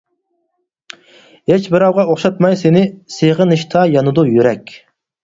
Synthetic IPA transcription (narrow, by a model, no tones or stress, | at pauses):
het͡ʃbɨɾɑwʁɑoχʃɑt̪mɑjsenɪseʁəɨnɨʃt̪ʰɑjɑnɨd̪ujyɾɛkʲ